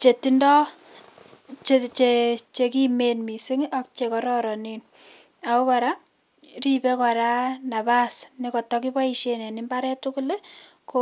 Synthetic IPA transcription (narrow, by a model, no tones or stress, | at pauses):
t͡ʃetindɔ | t͡ʃet͡ʃet͡ʃekimenmisiŋɔk̚t͡ʃekɔɾɔɾɔnin | akokɔɾa | ripekɔɾanabasnikɔtɔkibaiʃenenimbaɾɛtukule | ko